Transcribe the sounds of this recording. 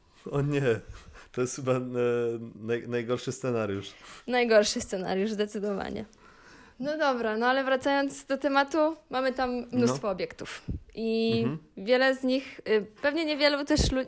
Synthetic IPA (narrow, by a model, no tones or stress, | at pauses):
ɔɲɛt̪ɔjɛsxɘba | najnajɡɔɾʂɘst̪sɛnaɾʲjuʂnajɡɔɾʂɘst̪sɛna̰ɾjuʐzd̪ɛt̪sɘd̪ɔva̰ɲɛ̰ | nɔd̪ɔbɾanɔalɛvɾat̪sajɔnd̪zd̪ɔt̪ɛmat̪umamɘt̪amːnust̪fɔːbʲjɛkt̪ufʔi | vʲjɛlɛzɲixpɛvɲɛɲɛvʲjɛlut̪ɛʂlu